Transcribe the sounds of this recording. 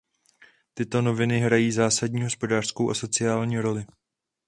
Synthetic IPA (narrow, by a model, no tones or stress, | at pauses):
t̪ɪt̪o̞no̞vɪnɪɦɾajiːzaːsaɟɲiːɦo̞spo̞daːr̥sko̞wʔaso̞t͡sɪaːlɲiːɾo̞lɪ